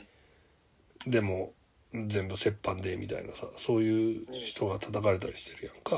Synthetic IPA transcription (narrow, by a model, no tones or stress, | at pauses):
d̪e̞mo̞ | zẽ̞mbɯ̟se̞pːãnd̪e̞mʲʔʲit̪a̰ḭnasaso̞ːjɯ̟ːçi̥t̪o̞ɡat̪ʰat̪akaɾe̞t̪aɾʲiɕi̥t̪e̞ɾɯ̟jãŋka